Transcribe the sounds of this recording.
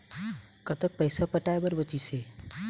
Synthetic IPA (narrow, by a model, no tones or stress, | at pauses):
kət̪ək̚pəjsapəʈajbəɾbət͡ʃise